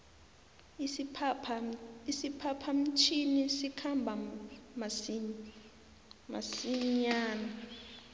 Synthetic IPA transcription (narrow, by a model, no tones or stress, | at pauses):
isipʰapʰam̩t͡ʃʰinisikʰambʱam | ma̰siɲaːna